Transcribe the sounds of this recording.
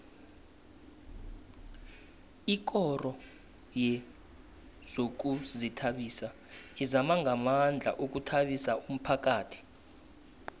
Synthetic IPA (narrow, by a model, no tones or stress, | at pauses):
ik̬ʼɔrɔ | jɛ | z̥ok̬uzitʰaɓiːsa | izamaŋʱamand͡ɮʱa̰ʔok̬utʰaɓisaum̩pʰak̬ʼaːtʰi̥